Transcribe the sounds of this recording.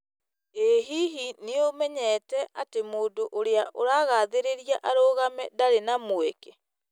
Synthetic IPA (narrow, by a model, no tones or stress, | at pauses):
eɦiɦineomɛɲɛːtɛatemoːdoʔoɾeaʔoɾaːɣaːðeɾeɾijaʔaɾoːɣamɛdaɾenamoeke